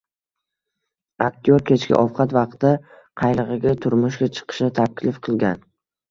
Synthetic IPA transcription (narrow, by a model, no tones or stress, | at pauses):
ak̚t̪ʰijoɾkʲʰe̞t͡ʃkʲɪ̰ʔɒfqʰɑt̪vɑqt̪ːa | qʰɑjlˠɨʁɨɡʲat̪ʰʊɾmʊʃɡʲat͡ʃʰɨ̥qʰɨ̥ʃɪt̪ʰakʲlɪfqʰɨlˠɡʲan